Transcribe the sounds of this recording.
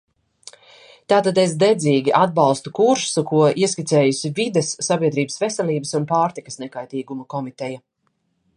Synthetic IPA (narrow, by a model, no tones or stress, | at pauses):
t̪aːt̪ad̪es̬d̪ɛd̪zʲiːɡʲiʔad̪̚balˠst̪ukuɾʃsukuɔʔiɛsʲkʲit̪sɛːjusivid̪esːabiɛd̪ɾiːbəsvɛsɛlʲiːbəsunpaːɾt̪ikə̥snɛkajt̪iːɡumɐkɔmit̪ɛja